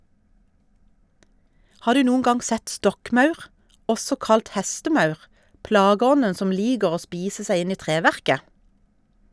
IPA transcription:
ˈhɑː ˈdʉː ˈnuːən ˈɡɑŋ ˈsɛt ˈstɔkˌmɑʉʁ ˈɔsɔ ˈkɑlt ˈhɛstəˌmɑʉʁ ˈplɑːɡəˌɔnən ˈsɔm ˈliːɡəʁ ˈoː ˈspiːsə ˈsæɪ ˈɪn ˈiː ˈtʁeːˌʋæʁkə

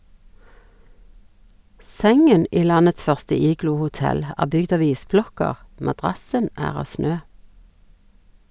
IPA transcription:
ˈsɛŋən ˈiː ˈlɑnəts ˈfœʁstə ˈiːɡluːhʊˌtɛl ˈæː ˈbʏɡd ˈɑʋ ˈiːsˌblɔkəʁ mɑˈdʁɑsən ˈæːʁ ˈɑː ˈsnøː

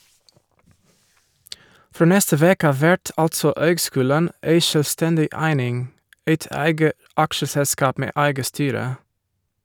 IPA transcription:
ˈfɾoː ˈnɛstə ˈʋeːkə ˈɑːʋ ˈʋæʈ ˈɑltsɔ ˈøːɡˌskʉːlən ˈʔeɪ ʃœlʋˈstɛndɪ ˈæɪnɪŋ ˈeɪt ˈæɪɡə ˈʔɑkʃəsɛˌskɑːp ˈmeː ˈæɪɡə ˈstyːɾə

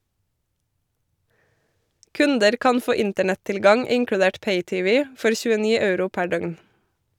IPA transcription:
ˈkʉndəɾ ˈkɑn ˈfoː ˈɪntəɳɛtɪlˌɡɑŋ ˈɪŋkɽʉˌdeːʈ ˈpeɪˌtɪˌʋɪ ˈfɔɾ çʉəˈniː ˈɑʉɾʊ ˈpæ ˈɖœɡn

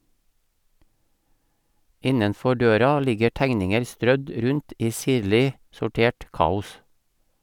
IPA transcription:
ˈɪnənˌfɔ ˈɖøːɾɑ ˈlɪɡə ˈʈæŋnɪŋəɾ ˈstɾœd ˈɾʉnt ˈiː ˈsiːɾlɪ sʊˈʈeːʈ ˈkɑːʊs

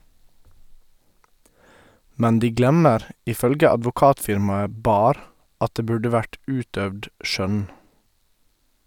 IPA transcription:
ˈmɛn ˈdiː ˈɡlɛməɾ ʔɪˈfœlɡə ɑdʋʊˈkɑːtfɪɾmɑə ˈbɑːɾ ˈɑt ˈdeː ˈbʉɖə ˈʋæʈ ˈʔʉːtdœʋd ˈʃœn

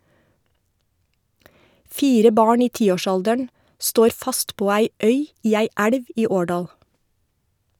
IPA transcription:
ˈfiːɾə ˈbɑːɳ ˈiː ˈtiːoːˌʃɑldəɳ ˈstoːɾ ˈfɑst ˈpoː ˈæɪ ˈœʏ ˈiː ˈæɪ ˈæɽʋ ˈiː ˈoːɖɑːl

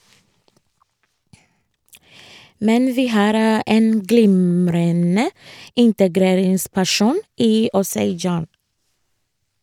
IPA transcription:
ˈmɛn ˈʋiː ˈhɑːɾ ə ˈʔeːn ˈɡlɪmɾənə ˈɪntəˌɡɾeːɾɪŋspæˌʃuːn ˈiː ˈɔseɪ ˈd͡ʒɑːn

